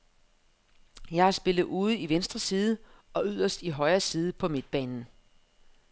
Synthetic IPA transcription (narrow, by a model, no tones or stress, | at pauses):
jɑ̈ɪɑɐsb̥e̝lð̞̩ˠuːð̞̩ˠiʋensd̥ʁɐsiːð̞ˠəɒ̽yð̞̰ˠɐsd̥iɦɒ̽ɪɐsiːð̞ˠpʰɒ̽me̝d̥̚b̥ɛ̰ːnn̩